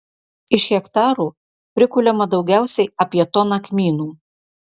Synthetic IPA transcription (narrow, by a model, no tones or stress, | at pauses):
ɪʃxʲɛkt̪ɑːɾuː | pʲɾʲɪkʊlʲɛmɐd̪ɒʊɡʲæˑʊsʲɛɪɐpʲiɛt̪ɔnɐkmʲiːnuː